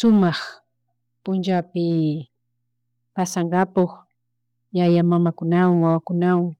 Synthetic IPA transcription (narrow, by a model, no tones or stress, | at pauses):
sʊmɑχ | pʊnt͡ʃawpɪ | pasɑɴɢɑpoχ | jajamamakʊnawaŋwawakʊnawaŋ